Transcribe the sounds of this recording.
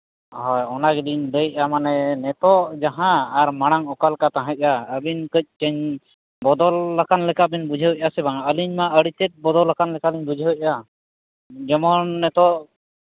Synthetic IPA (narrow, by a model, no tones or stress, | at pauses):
ɦɔjɔnaɡɛliɲd̪əjʔ̚amanɛnɛt̪ɔʔd͡ʒaɦãːɾmaɽ̃aŋɔkalkat̪ãɦəc̚ˀaəbinkəc̚ˀt͡ʃəɲ | bɔd̪ɔlːakanlɛkabinbud͡ʒʱəɦɔc̚ˀasɛbaŋəliɲmaʔəɽit̪ɛt̪̚bɔd̪ɔlːakanlɛkaliɲbud͡ʒʱəɦɔjc̚a | d͡ʒɔmɔnːɛt̪ɔʔ